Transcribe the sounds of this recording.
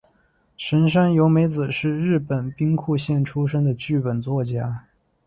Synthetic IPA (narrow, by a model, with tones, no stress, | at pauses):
ʂə˧˥nʂ̬a˥njo˧˥ʊme˧˥ɪt͡sɹ̩˨˩ʂɻ̩˥˧ɻɻ̩˥˩pə˨˩npi˥ŋkʰu˥˧ɕjɛ˥˩nʈ͡ʂʰu˥ʂ̬ɤ˥ŋd̪ə˨t͡ɕy˥˩pə˨˩nt͡swɔ˥˩t͡ɕja˥